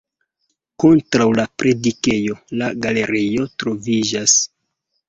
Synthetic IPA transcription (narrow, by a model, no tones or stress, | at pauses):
ko̞ntɾawlapɾʔe̞dike̞jo̞laɡale̞ɾijo̞tɾo̞vid͡ʒas